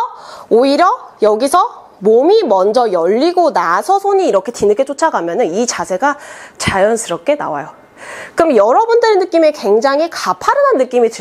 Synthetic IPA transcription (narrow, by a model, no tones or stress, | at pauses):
oiɾjʌjʌɡisʰʌ | momimʌnd͡ʑʌjʌʎːiɡonasʰʌsʰoɲiːɾʌkʰe̞tinɯkʰet͡ɕ͈ot͡ɕʰaɡamjʌnɯnit͡ɕasʰe̞ɡat͡ɕajʌnsʰɯɾʌp̚k͈e̞na̰wa̰jo | kɯmjʌɾʌbundɯɾenːɯk͈imekwe̞ŋd͡ʑaŋɦikapʰaɾɯnɦanːɯk͈imitɯ